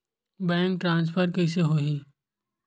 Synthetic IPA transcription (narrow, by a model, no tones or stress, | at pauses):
bɛ̃ːŋk̚ʈɾãːns̬pʰəɾkɛɪs̬eɦoːɦiː